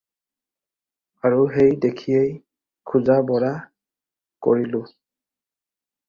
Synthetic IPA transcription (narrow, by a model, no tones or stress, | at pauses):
aɹuɦejdekʰijej | kʰuzabɔɹa | ko̰ɹilʊ